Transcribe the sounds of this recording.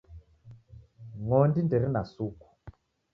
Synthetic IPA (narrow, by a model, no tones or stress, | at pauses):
ŋɔndindɛɾinasuku̥